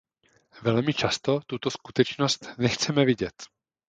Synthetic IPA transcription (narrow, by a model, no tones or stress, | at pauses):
vɛlmɪt͡ʃast̪o̞t̪ut̪o̞skut̪ɛt͡ʃnost̪nɛxt͡sɛmɛvɪɟɛt̪